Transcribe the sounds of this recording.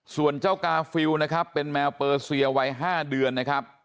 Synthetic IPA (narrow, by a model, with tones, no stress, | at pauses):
su˨˩ənt͡ɕaː˥˩wkaː˧fi˧wna˦˥kʰa˦˥pːe˧nmɛː˧wpɤː˧si˧ɐwa˧jɦaː˥˩dɯ˧ənːa˦˥kʰɾa˦˥p̚